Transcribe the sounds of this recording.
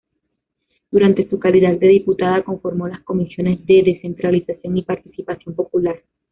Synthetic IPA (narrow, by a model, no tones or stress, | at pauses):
d̪̥uɾant̪e̞sukaliðad̪̚d̪e̞ðiput̪aðako̞ɱfo̞ɾmo̞lasko̞misjo̞ne̞zðe̞ðe̞se̞nt̪ɾalisasjo̞ŋipaɾt̪isipasjo̞mpo̞pulaɾ